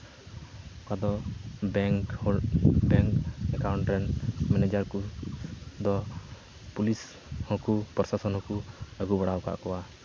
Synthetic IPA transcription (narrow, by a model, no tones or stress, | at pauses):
kad̪ɔbɛŋk | bɛŋkɛkawɳʈɾɛnmɛnɛd͡ʒaɾku | d̪ɔ | pulis | hɔkupɾɔsasɔnhɔ̃kuəɡubaɽawka̰ʔkɔwa